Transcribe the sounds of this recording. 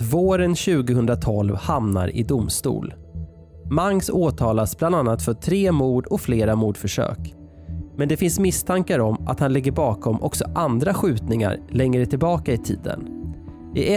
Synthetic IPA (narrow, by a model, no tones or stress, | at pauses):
voːɾənɕʉ̟ːɡəhɵnd̪ɾat̪ʰɔlvhamna̰ɾɪ̰d̪ʊmst̪ṵːl | maŋːsoːt̪ʰɑːlasbland̪anːat̪fœʈʰɾeːmuːɖɔfleːɾamuːɖfœʂø̰ːk | mɛnd̪ɛfɪnsmɪst̪ʰaŋkaɾɔmʔa̰t̪hanlɪɡːəɾbɑːkɔmʔɔ̰ksɔʔand̪ɾaɧʉ̟ːt̪nɪŋa̰ɾlɛŋːɾət̪ʰɪlbɑːkaɪt̪ʰḭːd̪ə̰n | ɪʔɛ